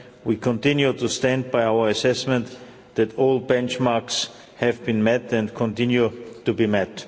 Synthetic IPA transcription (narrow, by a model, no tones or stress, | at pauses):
wikʰɔ̃ntɪ̃njutustæ̃nd̚baɪaʊə˞ɨsɛsmɛ̃nt̪ | ðɨtɔlˠbɛ̃nt͡ʃmɑɹks | hɨvbĩnmɛtɛ̃ndkʰɔ̃ntɪ̃njutubimɛt